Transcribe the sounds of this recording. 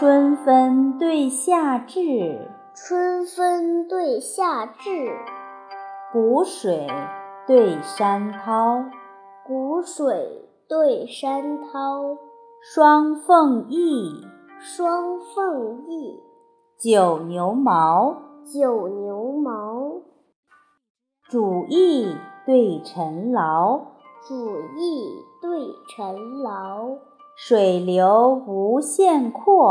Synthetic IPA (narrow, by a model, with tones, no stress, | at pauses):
ʈ͡ʂʰwə˥nfə˥nt̪we˥˧ɪɕja˥˧ʈ͡ʂɻ̩˥˩ | ʈ͡ʂʰwə˥nfə˥nt̪we˥˧ɪɕja˥˧ʈ͡ʂɻ̩˥˩ | ku˧˥ʂwe˨˩ɪt̪we˥˩ɪʂa˥nt̪ʰɑ˥ʊ | ku˧˥ʂwe˨˩ɪ | t̪we˥˩ɪʂa˥nt̪ʰɑ˥ʊ | ʂwɑ˥ŋfɤ˥˧ŋi˥˩ | ʂwɑ˥ŋfɤ˥˧ŋi˥˩ | t͡ɕjo˨˩ʊnjo˧˥ʊmɑ˧˥ʊt͡ɕjo˨˩ʊnjo˧˥ʊmɑ˧˥ʊ | ʈ͡ʂu˨˩i˥˩˧t̪we˥˩ɪʈ͡ʂʰə˧˥nlɑ˧˥ʊ | ʈ͡ʂu˨˩i˥˩t̪we˥˩ɪʈ͡ʂʰə˧˥nlɑ˧˥ʊ | ʂwe˨˩ɪljo˧˥ʊu˧˥ɕjɛ˥˧nkʰɔ˥˩